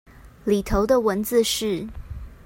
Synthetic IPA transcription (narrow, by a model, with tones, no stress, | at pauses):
li˨˩t̪ʰo˧˦ʊd̪ə˨wə˧˦nd͡z̩˨˧ʂɻ̩˥˩